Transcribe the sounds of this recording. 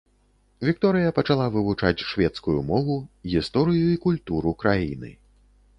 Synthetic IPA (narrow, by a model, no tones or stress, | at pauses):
vʲik̚t̪ɔɾɨjɐpɐt͡ʂalˠavɨvut͡ʂat͡sʲʂvʲɛt̪skujumɔvuɣʲist̪ɔɾɨjuikulʲt̪uɾukɾajḭnɨ̰